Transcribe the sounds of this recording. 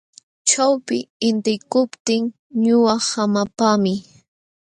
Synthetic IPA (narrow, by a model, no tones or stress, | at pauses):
t͡ʃawpɪɪnt̪ɪkʊpt̪ɪŋ | ɲʊwɑhamapamɪ